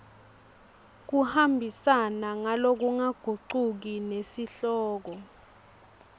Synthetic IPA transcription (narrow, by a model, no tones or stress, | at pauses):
k̬uhambʱisanaŋalok̬uŋaɡ̥ʱuǃuk̬inesiɬɔːk̬ɔ